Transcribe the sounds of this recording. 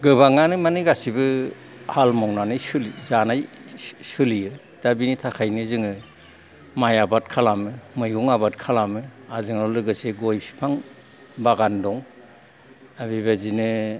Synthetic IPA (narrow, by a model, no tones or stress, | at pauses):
ɡɯbaŋanɯmanɯɡasibɯ | halmɔŋnanɯjsɯlizanajsɯlijɯ | d̥abinitʰakʰajnɯzɯŋɯ | majabat̚kʰalamɯmɯjɡuŋabat̚kʰalamɯazɯŋɔlɯɡɯseɡojpʰi̥pʰaŋ | baɡandɔŋ | abibazinɯ